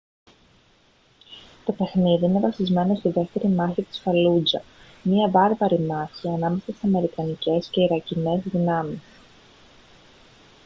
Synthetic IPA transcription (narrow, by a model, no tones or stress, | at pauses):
t̪o̞pe̞xniðiine̞vɐsizme̞no̞st̪iðe̞ft̪e̞ɾimɐçit̪i̥sfɐlud͡zɐ̰ | miɐvɐɾvɐɾimɐçiɐnɐme̞sɐseɐme̞ɾikɐnice̞sce̞iɾɐcine̞zðinɐmis